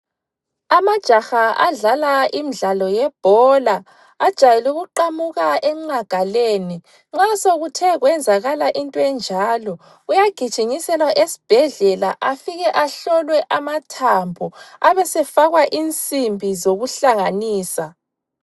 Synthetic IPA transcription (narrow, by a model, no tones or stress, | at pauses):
amad̥ʒ̥ʱaxaa̰ɮalaimiɮalɔjɛb̥ʱɔlaː | d̥ʒ̥ʱajɛluɣuǃamuɣaʔɛŋ͡ǃaɡ̥ʱaleːni | ŋ͡ǁasoɣutʰɛɣwɛnd͡zʱaɣalaʔintʼɔɛnd͡ʒʱaːlɔ | ujaɡ̥ʱid̥ʒ̥ʱiŋisɛlwaʔesi̥b̥ʱɛɮɛlaʔafiɣɛʔaɬɔlwɛʔamatʰambʱɔaβɛsɛfaɣwaʔint͡sʼimbʱizoɣuɬaŋaniːsa